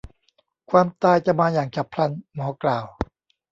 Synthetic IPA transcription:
kʰwaː˧mt̪aː˧˩jt͡ɕa˨˧˩maː˧jaː˨˩ŋt͡ɕʰa˨˩pʰɾa˧˩nmɔː˨˩˦klaː˨˩w

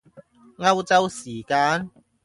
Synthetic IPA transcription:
ŋɐ˥wt͡sɐ˥wsiː˨˩kaː˧˥n

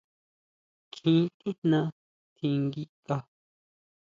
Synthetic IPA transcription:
t͡ʃĩ˦t̪u˦nã˧ | t̪ʰĩ˧ŋɡi˦ka˧

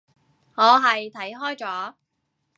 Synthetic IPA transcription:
ŋɔː˨˧ɦɐ˨jt̪ʰɐ˨˥jɦɔː˥jt͡sɔː˨˥

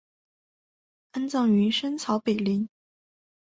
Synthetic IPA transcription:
a˥nt͡sɑ˥˩ŋy˧˥ʂə˥nt͡sʰɑ˧˥ʊpe˨˩ɪli˧˥ŋ

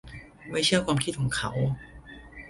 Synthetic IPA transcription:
ma˥˩jt͡ɕʰɯ˥˩ɐkʰwaː˧mkʰi˥˩ɔ˨˩˦ŋkʰa˩˦w

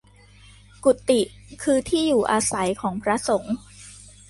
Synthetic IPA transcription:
ku˨˩t̪ːi˨˩ | kʰɯː˧t̪ʰiː˥˩juː˨˩ʔaː˧sa˩˦jkʰɔː˩˦ŋpʰɾa˦˥so˩˦ŋ

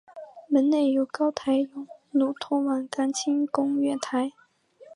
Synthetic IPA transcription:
mə˧˥nne˥˩ɪjo˧˥ʊkɑ˥ʊt̪ʰa˧˥ɪjo˧˥ʊnu˨˩t̪ʰʊ˥wa˨˩nka˥nt͡ɕʰi˥ŋkʊ˥ŋɥɛ˥˩t̪ʰa˧˥ɪ

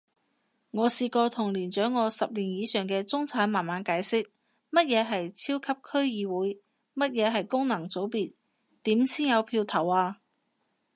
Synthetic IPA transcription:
ŋɔː˨˧siː˧kɔː˧t̪ʰʊ˨˩ŋliː˨˩nt͡ʃœː˨˥ŋːɔː˨˧sɐ˨p̚liː˨˩njiː˨˧sœː˨˩ŋkɛː˧t͡sʊ˥ŋt͡sʰaː˨˥nmaː˨˩nmaː˨˧nkaː˨˥jsɪ˥k̚ | mɐ˥t̚jɛː˨˧ɦɐ˨jt͡sʰiː˥wkʰɐ˥p̚kʰɵ˥ɥjiː˨˧wuː˨˥j | mɐ˥t̚jɛː˨˧ɦɐ˨jkʊ˥ŋnɐ˨˩ŋt͡so˨˥wpiː˨t̚ | t̪iː˨˥msiː˥njɐ˨˧wpʰiː˧wt̪ʰɐ˨˩waː˧

